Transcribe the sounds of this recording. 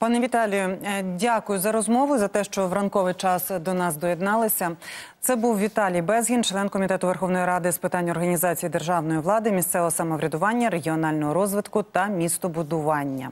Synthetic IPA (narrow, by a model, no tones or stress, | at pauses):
pɑnɛʋʲit̪ɑlʲijʊdʲakʊjʊzɐɾɔzmɔʋʊzɐt̪ɛʃt͡ʃɔʋɾɐnkɔʋɪjt͡ʃɑsd̪ɔnɑzd̪ɔjed̪nɑlˠɪsʲɐt̪sɛbuwʋʲit̪ɑlʲijbɛzʲɦʲint͡ʃlˠɛnkɔmʲit̪ɛt̪ʊʋerxɔwnɔjiɾɑd̪ɪspɪt̪ɑnʲːɔrɦɐnʲizɑt͡sʲijid̪erʒɑwnɔjiʋlˠɑd̪ɪmʲist̪sɛʋɔɦɔsɐmɔʋɾʲɐd̪ʊʋɑnʲːɐɾeɦʲiɔnɑlʲnɔɦɔɾɔzʋɪd̪kʊt̪ɐmʲist̪ɔbʊd̪ʊʋɑnʲːɐ̰